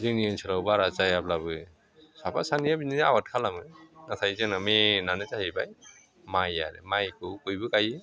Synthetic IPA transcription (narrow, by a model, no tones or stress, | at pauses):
zɯŋniɯnsʰɯlawbaɾat͡ʃajablabɯ | sapa̰sanijabiniawat̚kʰalamɯnatʰajzenamenanɯt͡ʃahibaj | maja̰ɾḛmajkʰɯwkɯjbɯkajɯ